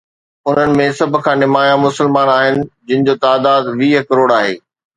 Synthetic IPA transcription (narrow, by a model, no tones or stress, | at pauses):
ʊn̤ənɪ̆mẽsɐbʱʊ̆kʰãːnɪmaːjãmʊsɪlmaːnaːɦɪnɪ̆d͡ʑɪ̃nɪ̆d͡ʑoːt̪aːd̪aːd̪ʋiːɦkɐɾoːɽaːɦḛː